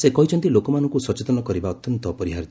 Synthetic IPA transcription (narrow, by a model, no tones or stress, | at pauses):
sekɔɦit͡ʃʰɔnt̪ilokɔmanɔŋkusɔt͡ʃet̪ɔnɔkɔɾibaɔt̪jɔnt̪ɔpɔɾiɦaɾit̪